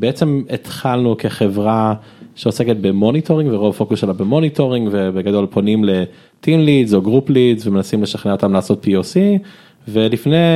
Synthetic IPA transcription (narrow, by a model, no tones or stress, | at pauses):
beet͡se̞met̪χalnukeχe̞vʁa | ʃeo̞seket̪̚bemo̞nitʰo̞ʁĩŋɡveʁo̞vafo̞kuselabemo̞nitʰo̞ʁiŋɡvebeɡado̞lpʰo̞nimle̞ | t̪inlizo̞ɡʁuplizvemenasimle̞ʃaχneo̞t̪amlaːso̞t̪̚piosi | ve̞lifne